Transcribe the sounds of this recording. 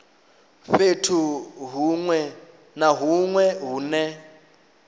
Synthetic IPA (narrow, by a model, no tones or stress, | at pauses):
ɸetʰuɦuŋwɛ | naɦuŋwɛɦuːnɛ